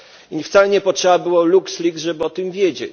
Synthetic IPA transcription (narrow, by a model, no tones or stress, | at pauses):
ift̪salɛɲɛpɔtʂɛbabɘwɔlukslʲik̪ʐɛbɘɔt̪ɘmvʲjed͡ʑḛt͡ɕ